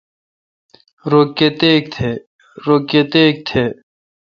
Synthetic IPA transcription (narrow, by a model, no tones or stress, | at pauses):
ɾokːet̪eːk̚t̪ʰeː | ɾoːket̪eːk̚t̪ʰeː